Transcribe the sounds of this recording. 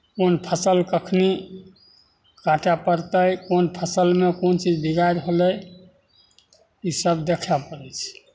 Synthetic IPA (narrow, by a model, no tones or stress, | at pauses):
konpʰəsəlkəkʰni | kaʈapəɾt̪əjkonpʰəsəlmekont͡ʃid͡ʒbiɡajɾɦoləj | isəbd̪ekʰapəɾɛt͡ʃʰ